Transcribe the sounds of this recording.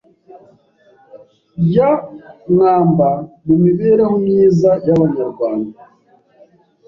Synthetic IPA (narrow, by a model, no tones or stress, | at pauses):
jaŋaːmbamumiβeːɾamumɲiːzajaβaɲaɾɡwaːnda